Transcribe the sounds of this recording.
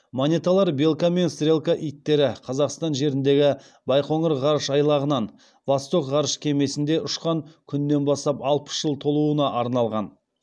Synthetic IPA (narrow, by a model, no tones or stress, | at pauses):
monʲet̪alˠɑɾbe̞lˠkame̞nst̪ɾʲe̞lˠkaʔijt̪ːe̞ɾɪqʰɑzɑqst̪ɑnʒe̞ɾɪnd̪e̞ɡʲɪ | bɑjqʰo̞ɴəɾʁɑɾəʃɑjlˠɑʁənɑn | vast̪o̞kʁɑɾəʃkʲʰe̞me̞sɪnd̪e̞ʊʃqɑŋkʲʰʏnːe̞nbɑst̪ɑpɑlˠpə̥sʒ̥əlˠt̪ʰo̞lˠuənɑʔɑɾnɑlˠʁɑn